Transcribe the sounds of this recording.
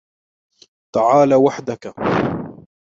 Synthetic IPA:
t̪aʕaːlawaħd̪aka

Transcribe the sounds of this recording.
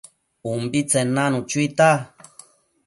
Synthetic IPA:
umbit͡senanut͡ʃuit̪a

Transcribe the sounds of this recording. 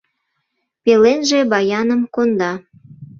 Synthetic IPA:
pelenʒebɑjɑnəmkond̪ɑ

